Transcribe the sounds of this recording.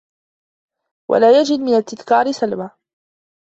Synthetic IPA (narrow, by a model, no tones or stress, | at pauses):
wʔa̰laːjad͡ʒɪd̪mɪnat̪ːɪðkɑːɾɪsalba